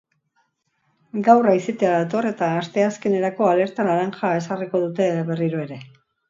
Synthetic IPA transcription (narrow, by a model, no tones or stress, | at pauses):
ɡawraiset̪eaðat̪o̞re̞t̪aːst̪e̞aske̞ne̞ɾako̞ale̞ɾt̪anaɾanxae̞sariko̞ð̞ut̪e̞βe̞riɾoe̞ɾe̞